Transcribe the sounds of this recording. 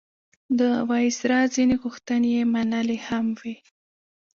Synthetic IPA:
d̪əwɑjsɾɑzineɣuxt̪ənejemanalehamwi

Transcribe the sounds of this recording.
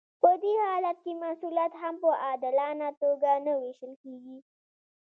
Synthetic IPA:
pəd̪ehɑlat̪̚kemasuljat̪ɦampəʔɑd̪ɪlɑnat̪oɡanəweʃəlkeɡi

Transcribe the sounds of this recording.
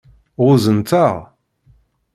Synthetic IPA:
ʊzənt̪aʁ

